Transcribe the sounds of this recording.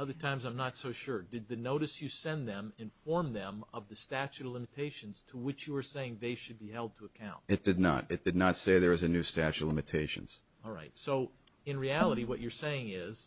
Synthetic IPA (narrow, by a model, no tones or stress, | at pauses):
ʌðə˞tʰãɪ̃mzãɪ̃mnətsoʊʃʊɹdɨd̪̚ðɨnoʊɾɨsjɨsɛ̃nðɨ̃mɨ̃ɱffɔɹmðɨ̃mʌvðɨstæt͡ʃʉtˡlɪ̃mɨtʰeɪʃɨ̃n̩z̥tʰəwɨt͡ʃjɨə˞seɪɪ̃ŋðeɪʃɨd̚bihɛlˠd̚tʰəːkʰãʊ̃nt̚ɨt̚d̥ɨdⁿnə̰ɾɨt̚d̥ɨdⁿnətseɪðə˞ɨzɨnʉstæt͡ʃʉtˡlɪ̃mɨtʰeɪʃɨ̰̃nz̥ | ɔlˠɹa̰ɪtsoʊ | ɨ̃nɹiælˠəɾiwʌt͡ʃə˞seɪɪ̃ŋɪz̥